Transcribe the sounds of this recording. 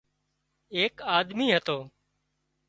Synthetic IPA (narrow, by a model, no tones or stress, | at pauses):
eːkaːd̪miːɦət̪oː